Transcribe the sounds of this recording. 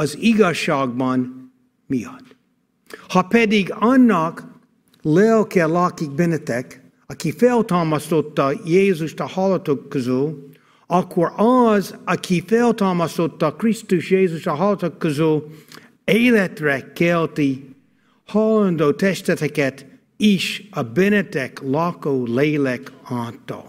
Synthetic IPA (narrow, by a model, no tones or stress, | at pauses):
ɒziɡɒʃːaːɡ̚bɒn | mijɒ̰t̪ | hɒpɛd̪iɡɒnːɒk | lɛlkɛlɑːkik̚bɛnɛt̪ɛk | ɒkifɛlt̪ɑlmɑst̪ot̪ːɑjeːzuʃt̪ɒhɒlɔt̪okʰːozyl | ɒkʰːorɒzɐkʰifelˠt̪ʰɑmɑsot̪ːɑkʰɹistuʃjeːzustɐɦɑlˠət̪okːəzulˠ | eɪlɛt̪ɹɛkʰːɛlˠt̪i | hɑlˠəndot̪ʰɛʃtɛt̪ʰɛkɛt̪ | iʃəbɛnɛt̪ɛklɑkoʊleːlɛkɑːt̪ːo̰